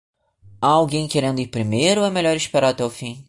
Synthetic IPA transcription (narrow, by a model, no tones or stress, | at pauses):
awɡẽj̃keɾẽnd̪ʊiɾpɾimejɾʊɛmeʎɔɾiʃpeɾat̪ewfĩ